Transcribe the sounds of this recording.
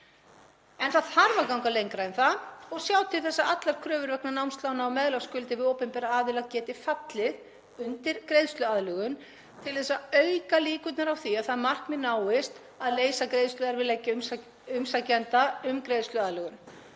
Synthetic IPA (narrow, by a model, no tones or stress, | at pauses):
ɛnθað̥haɾvakawŋkalejŋkɾaɪnθaɔɣsjaːwt̪ʰɪ̥θɛsːaat̪laɾ̥kʰɾœːvʏɾvɛknanawmst̪lawnaawmɛðlawskʏlt̪ɪvɪðowpʏmpɛːɾaaːðvɪlaðcɛːt̪ɪfat̪lɪð | ʏnt̪ɪɾ̥kɾejðst̪lʏaðlœɣʏm | t̪ʰɪl̥θɛsːaœɥkaliːkʏt̪naɾawθiaðθaðmar̥kmɪnaːwɪst̪ | aðleːjsakɾejðst̪ʏðaɾvɪðlɛcːɪm | ʏmsacɛnt̪aʏmkɾejðst̪lʏaðlœɣʏm